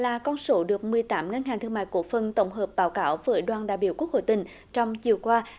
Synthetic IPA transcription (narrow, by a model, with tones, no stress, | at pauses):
laː˨˩kɔ˧nso˨˦ɗɨ˨˩ək̚mɨ˨˩əjt̪aː˨˦mŋə˧nha˨˩ŋt̪ʰɨ˧əŋma̰ː˧˨jko̰˧˥əfə˨˩nt̪ə̰˧˩wŋ͡mɦəː˨˩p̚ɓaː˨˦wkaː˧˦wvəː˨˦jɗwaː˧˩nɗaː˧˨jɓi˧˩əwku˦˥k̚ho̰˧˨jt̪ï˨˩ŋ̟ | t͡ɕɔ˧wŋ͡mt͡ɕi˨˩əwkwaː˧